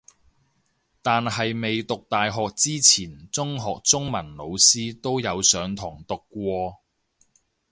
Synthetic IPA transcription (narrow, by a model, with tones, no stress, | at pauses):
t̪aː˨nɦɐ˨jme˨jt̪ʊ˨k̚t̪aː˨jɦɔː˨k̚t͡siː˥t͡sʰiː˨˩nt͡sʊ˥ŋɦɔː˨˩k̚t͡sʊ˥ŋmɐ˨˩nlo˨˧wsiː˥t̪o˥wjɐ˨˧wsœː˨˧ŋt̪ʰʊː˨˩ŋt̪ʊ˨kːʷɔː˧